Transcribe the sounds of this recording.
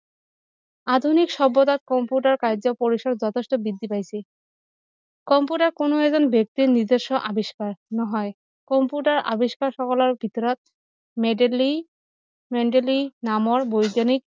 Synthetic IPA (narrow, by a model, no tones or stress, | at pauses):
ad̪ʱunikʃɔbːot̪at̪̚kɔmpuʈaɾkajd͡ʑopoɾiʃɔɾd͡ʑɔt̪ʰesʈobid̪ʱːipajsʰe | kɔmpuʈaɾkonoɛzɔnbjek̚t̪iɾniɾd̪eʃːɔʔabiʃkaɾnɔɦɔe | kɔmpuʈaɾʔa̰biʃkaɾʃɔkɔlɔɾbʱit̪ɔɾɔt̪̚ | meɖeli | meɳʈelinamɔɾbojɡanik̚